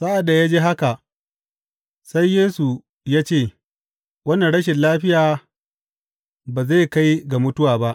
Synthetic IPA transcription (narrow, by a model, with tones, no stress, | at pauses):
saː˦ʔa˨da˨jaː˦d͡ʒeː˦ɦa˦ka˨ | sa˦jːeː˦su˨ | jaː˦t͡ʃeː˦˨ | wɐ˦nːɐ˨ɽɐ˦ʃ̬ɪ˨nlaː˦ɸɪ˦jaː˨ | baː˨ze˦˨ka˦jɡa˨mʊ˦tʊ˦waː˨ba˦ʔ